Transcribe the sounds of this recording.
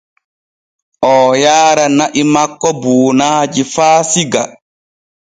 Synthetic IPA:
ʔɔːjaːɾanaʔimakːɔbuːnaːd͡ʒifaːsiɡa̰

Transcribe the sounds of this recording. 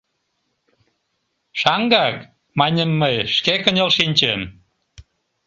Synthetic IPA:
ʃɑŋɡɑk | mɑnʲəmːəjʃkekənʲelʃinʲt͡ɕəm

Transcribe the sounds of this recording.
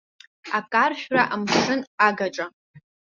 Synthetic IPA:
akʼarʃᶣraʔamʂɨnaɡaʈ͡ʂʼa

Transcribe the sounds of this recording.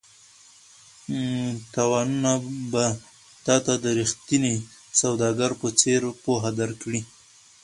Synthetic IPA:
t̪awɑnunaba | t̪ɑt̪ad̪əɾixt̪ini | sawd̪ɑɡaɾpət͡seɾpoɦad̪aɾkɽi

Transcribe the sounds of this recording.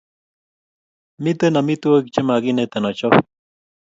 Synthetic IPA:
mit̪ənamit̪uakit͡ʃamaɡinet̪anot͡ʃo

